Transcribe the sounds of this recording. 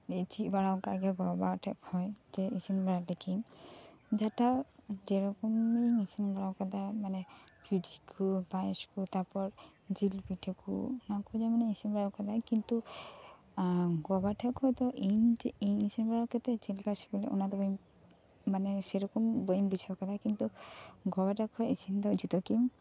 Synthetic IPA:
et͡ʃibaɽawkaɡɛɡɔbaʈʰɛ̰khɔjd͡ʒɛisinbaɽalɛkʰim | d͡ʒatad͡ʒɛɾɔkɔmejŋisinbaɽawkad̪amanɛpudikʰubajskut̪apɔɾ | d͡ʒilpiʈʰekṵɔnakud͡ʒamɔnɛisinbaɾakad̪akint̪u | ɡɔbaʈʰakʰɔt̪ɔʔinijmisenbaɾawkɛt̪ɛt͡ʃɛlkasibɛlɛ̰ʔɔ̰nat̪ɔbəjm | manɛsɛɾɔkɔmbəjmbud͡ʒʰakad̪ʰakint̪uɡɔbaʈakʰɔisind̪ɔd͡ʒut̪ɔkim

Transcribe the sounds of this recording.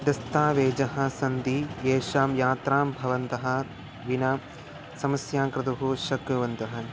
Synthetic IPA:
d̪ɐst̪aːʋeːd͡ʒɐɦɐ̆sɐnd̪ieːʃaːmjaːt̪ɾaːmbʱɐʋɐnt̪ɐɦɐ̆ | ʋinaː | sɐmɐsjaːkɾɐd̪uɦuʃɐkɾuʋɐnt̪ɐɦɐ̆

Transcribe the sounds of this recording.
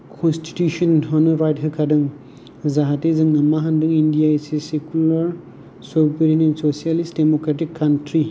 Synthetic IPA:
kʰɔnsti̥tusɔnɦɔnɯɾajtɦɯkʰadɯŋ | zaɦatezɯŋnɐmaɦandɯŋindijaisesekulaɾ | subeɾinensosijalistdemokɾat̬ikʰːantɾi

